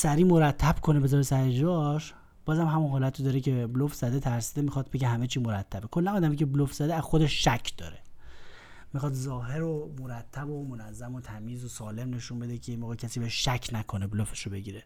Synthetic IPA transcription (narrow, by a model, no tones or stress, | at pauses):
sæɾiːmo̞ɾæt̪ʰːæb̥kʰo̞nebezɒːɾesæɾed͡ʒɒʃ | b̥ɒːzæmɦæmunɦɒːlæt̪ʰid̪ɒːɾecʰe̞blofz̥æd̪et̪ʰæɾsid̪emixɒːt̪̚be̞ɟehæmet͡ʃʰiːmo̞ɾæt̪ʰːæbekʰo̞lːænɒːd̪æmicʰeblofz̥æd̪eæzxod̪eʃʃæcʰd̪̥ɒ̰ːɾe | mixɒːt̪zɒːɦe̞ɾomoɾæt̪ʰːæbomonæzːæmot̪ʰæmiːzosɒːle̞mne̞ʃunbe̞d̪ecʰejemoːɣecʰæsiːbeʃʃæcʰnækʰoneblofeʃobe̞ɟiːɾe